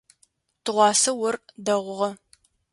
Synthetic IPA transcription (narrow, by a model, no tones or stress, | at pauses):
tʰɨʁʷɑːsɐwʊrdɐʁʷʊʁɐ